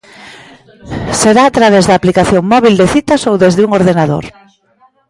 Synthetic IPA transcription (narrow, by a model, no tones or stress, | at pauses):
seɾaːt̪ɾaβɛzðaːplikaθjoŋmɔβ̞ild̪eθit̪asowðezðeuŋoɾðenaðo̰ɾ